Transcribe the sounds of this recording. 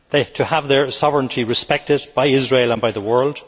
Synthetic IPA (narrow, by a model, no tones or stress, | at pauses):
ðeɪtʰəəvðə˞sɑvɹə̃ntʰiɹɨspɛk̚tɪd̚b̥aɪɪzɹeɪlˠə̃nbaɪðəwɜ˞lˠd̥